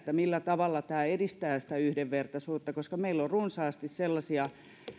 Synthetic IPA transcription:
t̪ːæmilːæt̪ɑʋɑlːɑt̪æːedist̪æːsi̥t̪æyhdeʋʋert̪ɑsuːt̪ːɑkoskɑmeilːorrunsɑːst̪isselːɑsiɑ

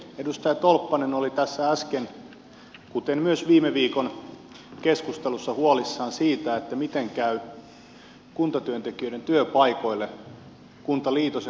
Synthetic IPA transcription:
edust̪ɑjɑt̪olpːɑnenolit̪æsːææsken | kut̪enmyøsʋiːmeʋiːkon | keskust̪elusːɑhuolisːɑːnsiːt̪æet̪ːæmit̪eŋkæy | kunt̪ɑt̪yønt̪ekiøĭɾent̪yøpɑikoilːe | kunt̪ɑliːt̪ose

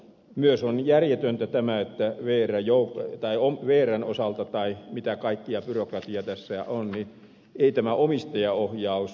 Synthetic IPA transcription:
myøsonjærjet̪ønt̪æt̪æmæet̪ːæʋeːræjoukt̪ɑiomʋeːrænosɑlt̪ɑt̪ɑimit̪ækɑikːiɑpyrokrɑt̪iɑt̪æsːæ̰ʔonni | eit̪æmæʔomist̪ɑjɑohjɑˑus

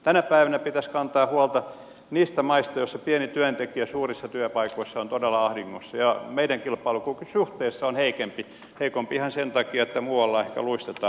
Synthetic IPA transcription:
t̪ænæpæiʋænæpit̪æskɑnt̪ɑːhuɑlt̪ɑ | niːst̪æmɑist̪ɑjosːɑpienit̪yænt̪ekiæsuːrisːɑt̪yæpɑikoisːɑont̪odelːɑɑhdiŋːosːɑjɑmeidæŋkilpɑilukuksuht̪eisːɑonheikempi | heikompiihɑnsent̪ɑkiɑet̪ːæmuːɑlːɑehkæ̰luist̪et̪ɑː

